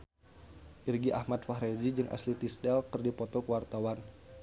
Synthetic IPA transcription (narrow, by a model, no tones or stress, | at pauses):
ʔirɡiʔa̰hmat̪̚faɦɾɛd͡ʒid͡ʒɨŋʔa̰slit̪isdɛlkɨrdipɔt̪ɔkəwart̪awan